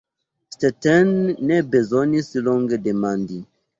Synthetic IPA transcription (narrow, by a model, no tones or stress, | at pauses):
stɛtɛnːebezonisilɔ̃ŋɡedemãndi